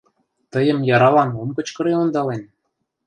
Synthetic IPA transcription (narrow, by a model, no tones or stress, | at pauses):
t̪ɤjə̆mjɑɾɑlɑnomkɤ̆t͡ɕkɤ̆ɾeond̪ɑlen